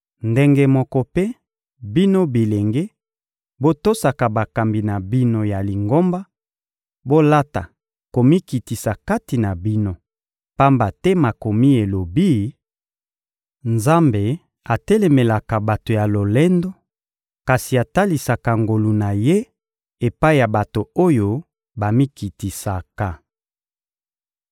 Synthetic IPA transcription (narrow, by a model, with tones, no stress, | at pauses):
nde˦ŋɡe˦mɔ˦kɔ˦pe˦ | bi˦no˦bi˨le˨ŋɡe˦ | bo˦to˦sa˨ka˨ba˨ka˨mbi˨na˨bi˦no˨ja˨li˨ŋɡo˦mba˦ | bo˦la˦ta̰˨ | ko˨mi˦ki˨ti˨sa˨ka˦ti˨na˨bi˦no˦ | pa˦mba˨tɛ˦ma˨ko˨mi˦e˨lo˨bi˦ | nza˦mbe˨ | a˨tɛ˦lɛ˨me˨la˨ka˨ba˨to˨ja˨lo˨lɛ˦ndo˦ | ka˨si˨a˨ta˦li˨sa˨ka˨ŋɡo˨lu˨na˨je˦ | e˨pa˦i˨ja˨ba˨to˨o˦jo˦ | ba˨mi˦ki˨ti˨sa˨ka˨